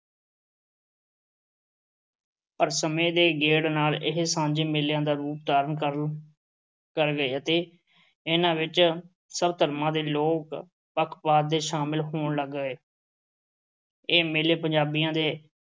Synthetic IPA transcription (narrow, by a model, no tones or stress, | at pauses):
pəɾsəmẽːd̪eːɡeːɽnaːlɪɦsãːɲd͡ʒeːmeːljãːd̪aːɾuːp̚d̪aːɾənkə | kəɾɡəeːət̪eː | ɪnãːʋɪt͡ʃ | səbt̪əɾmãːd̪eːloːk | pəkʰpaːd̪ːeːʃaːmɪlɦoːɳləɡːəeː | eːmeːleːpəɲd͡ʒaːbijãːd̪eː